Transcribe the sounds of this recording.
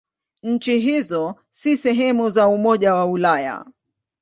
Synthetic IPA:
ɲ̩t͡ʃiɦizɔ | sisɛɦɛmuzaumɔʄawaulaja̰

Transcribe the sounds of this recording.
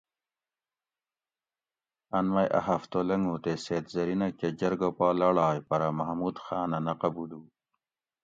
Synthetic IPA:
ɐnmɐjʔa̰ɦɐft̪olɐŋɡut̪eseːt̪zɐɾinɐked͡ʑɐɾɡopaːlɐɽaːjpɐɾamɐɦmuːd̪xaːnɐnɐqɐbud̪uː

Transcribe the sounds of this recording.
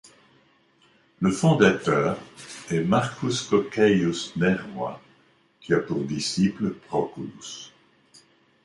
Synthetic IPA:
ləfɔ̃d̪at̪œːʁɛmaʁkʰuskɔkɛjusnɛʁwa̰ | kʲiapuʁd̪isipləpχɔkulus

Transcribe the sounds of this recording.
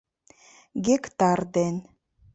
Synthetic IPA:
ɡʲekt̪ard̪en

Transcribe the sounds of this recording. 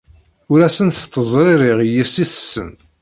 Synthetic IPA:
ʊɾæsənθt̪ːəzˤɾˤiɾˤɪʁjisiθə̥sːə̰n

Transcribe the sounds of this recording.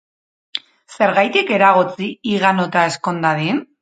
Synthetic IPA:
se̞ɾɣajt̪ike̞ɾaɣ̞ot͡siːɣanot̪ae̞sko̞nd̪aðin

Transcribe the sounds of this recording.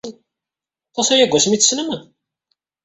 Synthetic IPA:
t̪ˤːɑsæjæɡʷːæsmit͡sːsnəmən

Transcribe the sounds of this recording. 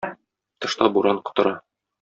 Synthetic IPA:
t̪ɤ̆ʃt̪ɑbuɾɑɴqŏ̥t̪ɤ̆ɾɑ

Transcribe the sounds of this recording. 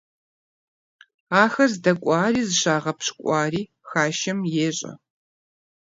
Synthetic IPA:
aːxɐzdɐkʷʼɑːriːzɨɕaːʁɐpɕkʷʼɑːriː | xaːʃɐmjeːɕʼɐ̰

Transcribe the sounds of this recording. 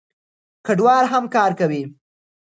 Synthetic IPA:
kaɖwɑɾɦamkɑɾkawi

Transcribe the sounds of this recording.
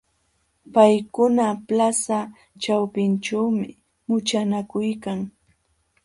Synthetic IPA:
pajkʊnaplasa | t͡ʃawpɪnt͡ʃawmɪ̰ | mʊt͡ʃanakʊjkaŋ

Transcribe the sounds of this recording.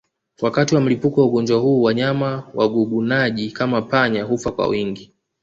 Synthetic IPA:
wakatiwam̩lipukɔwauɠɔnd͡ʒwahuːwaɲamawaɡuɡunaʄikamapaɲaɦufakwa̰wiŋɡi

